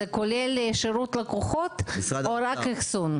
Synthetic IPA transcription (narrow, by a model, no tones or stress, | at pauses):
ekolelːʃeɾut̪lakoχot̪oɾakixsun